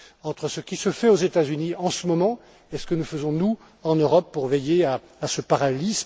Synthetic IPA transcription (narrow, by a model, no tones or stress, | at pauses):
ɑ̃t̪χəsəkʲisəfɛozet̪azyniɑ̃səmɔmɑ̃ | esə̥kənufəzɔ̃nu | ɑ̃nøʁɔpːuʁvɛjea | asəpaʁaɛlism